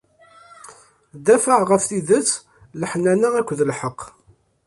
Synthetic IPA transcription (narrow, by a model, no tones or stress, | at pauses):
d̪æfəʕʁəfθiðət͡sː | ləħnænæækʷːðəlħəqː